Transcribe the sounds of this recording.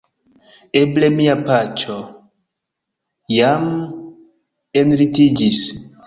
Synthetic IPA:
eble̞miapat͡ʃo | jam | enɾitid͡ʒis

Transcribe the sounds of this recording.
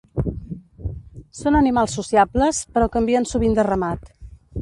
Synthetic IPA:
sonənimalˠsːusiabləspəɾɔkəmbiənsuβind̪ərəmat̪

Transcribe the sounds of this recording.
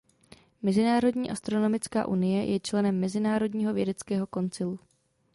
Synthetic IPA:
mɛzɪnaːɾo̞dɲiːʔast̪ɾo̞no̞mɪt͡ska̰ːʔunɪjɛjʔɛt͡ʃlɛnɛmːɛzɪnaːɾo̞dɲiːɦo̞vjɛdɛt͡skɛːɦo̞ko̞nt͡sɪlu

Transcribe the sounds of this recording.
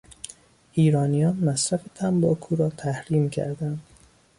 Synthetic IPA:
ʔiːɾɒːnijɒːnmæsɾæfe̞t̪ʰæmbɒːkʰuːɾɒːt̪ʰæhɾiːmcʰæ̰ɾd̪ænd̪̥

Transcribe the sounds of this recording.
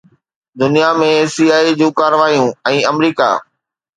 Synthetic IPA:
d̪ʊnijamẽsiːaːid͡ʑũːkaːɾəʋaːijũɛ̃ːɐmɾiːka̰ː

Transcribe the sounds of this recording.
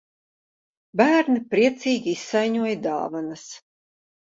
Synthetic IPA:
bæːɾnipɾiɛt̪siːɡʲiisːajɲuɔjd̪ɑ̰ːvanɐs

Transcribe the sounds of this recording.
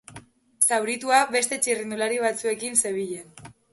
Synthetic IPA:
sawɾit̪uaβe̞st̪e̞t͡ʃirind̪ulaɾiβ̞at͡sue̞kinse̞βiʎen

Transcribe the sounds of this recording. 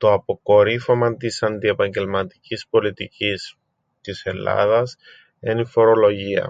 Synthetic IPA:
t̪o̞ɐpo̞ko̞ɾifo̞mɐnt̪isɐnd̪ie̞pɐɲɟe̞lmɐt̪i̥cispo̞lit̪icis | t̪ise̞lɐ̰ðɐs | enifo̞ɾo̞lo̞ʝiɐ̰

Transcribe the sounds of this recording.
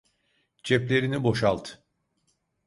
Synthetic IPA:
t͡ʃʰɛplʲe̞ɾinibo̞ʃalˠt̪ʰ

